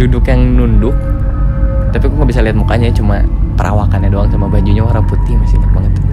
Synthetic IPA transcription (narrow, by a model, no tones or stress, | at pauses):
dudʊkjaŋnundʊk̚ | t̪apikumabisaliɦat̪̚mukaɲaat͡ʃumapəɾʔa̰wakanɲadoaŋsamabaɲd͡ʒuɲaoɾaŋput̪ɪhmasitabaŋət̪